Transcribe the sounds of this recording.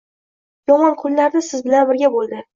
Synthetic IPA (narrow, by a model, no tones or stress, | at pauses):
jɒmɒnqʰʊlˠːaɾd̪ɪsɪzbɪlanbɪɾɡʲabolˠd̪ɪ